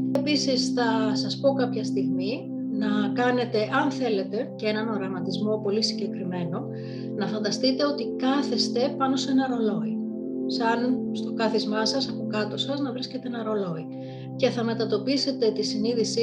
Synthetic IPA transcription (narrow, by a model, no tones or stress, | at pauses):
episisθɐsɐspo̞kɐpçɐst̪iɣmi | nɐkɐne̞t̪e̞ʔɐnθe̞le̞t̪e̞ceenɐnoɾɐmɐt̪izmo̞po̞lisiɲɟe̞kɾime̞no̞ | nɐfɐnd̪ɐst̪it̪e̞o̞t̪ikɐθest̪e̞pɐno̞se̞nɐɾo̞lo̞i | sɐnst̪o̞kɐθizmɐsɐsɐpo̞kɐt̪o̞sɐznɐvɾisce̞t̪eenɐɾo̞lo̞i | ce̞θɐme̞t̪ɐt̪o̞pise̞t̪e̞t̪isiniðisi